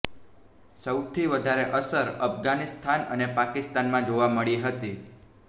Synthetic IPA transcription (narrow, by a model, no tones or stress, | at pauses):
səwt̪ʰiʋəd̪ʱaɾeʔəsəɾəfɡanist̪ʰanə̰nepakɪst̪anmãd͡ʒoʋaməɭiɦət̪i